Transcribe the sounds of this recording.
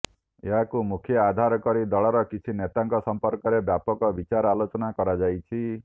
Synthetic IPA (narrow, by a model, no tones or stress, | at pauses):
ḛɦakumukʰjɔad̪ʱaɾɔkɔɾid̪ɔɭɔɾɔkit͡ʃʰinet̪aŋkɔsɔmpɔɾkɔɾebjapɔkɔbit͡ʃaɾɔalot͡ʃɔnakɔɾad͡ʒajt͡ʃʰi